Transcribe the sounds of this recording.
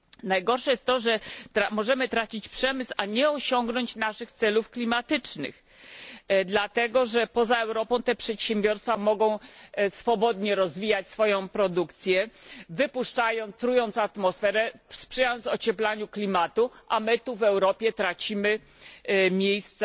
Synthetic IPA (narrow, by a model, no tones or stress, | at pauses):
najɡɔɾʂɛjɛst̪t̪ːɔʐɛt̪ɾamɔʐɛmɘt̪ɾat͡ɕit͡ɕpʂɛmɘsaɲɛɔɕɔŋɡnɔɲt͡ɕnaʂɘxt̪sɛlufklʲimat̪ɘt͡ʂnɘ̰x | d̪lat̪ɛɡɔʐɛpɔzaɛwɾɔpɔ̃w̃t̪ɛpʂɛt̪ɕɛmbʲjɔɾst̪famɔɡɔ̃w̃sfɔbɔd̪ɲɛɾɔzvʲijat͡ɕsfɔjɔ̃w̃pɾɔd̪ukt̪sʲjɛvɘpuʂt͡ʂajɔ̃nt̪t̪ɾujɔnt̪sat̪mɔsfɛɾɛfspʂɛjajɔnt̪sɔt͡ɕɛplaɲuklʲimat̪uʔamɘt̪uvɛwɾɔpʲjɛt̪ɾat͡ɕimɘ | mʲjejst̪s